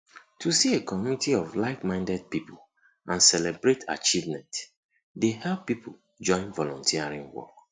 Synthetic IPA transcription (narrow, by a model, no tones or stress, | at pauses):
tʰusiekɔmjunitiɔflaɪkmãɪ̃ndɛd̚pipʰul | ʔãnsɛlebɹetʰa̰t͡ʃivmɛ̃nt | dehɛlˠpːipʰul̩ | d͡ʒɔ̃ɪ̃nvɔlɔ̃ntʰiaɹĩŋwɔ̰k